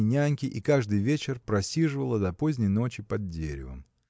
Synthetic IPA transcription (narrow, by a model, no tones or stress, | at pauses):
nʲanʲkʲɪʔikaʐd̪ɨjvʲet͡ɕɪrpɾɐsʲiʐɨvəlˠəd̪ɐpo̞zʲnʲɪjno̞t͡ɕɪpɐd̪̚dʲeɾʲɪ̰və̰m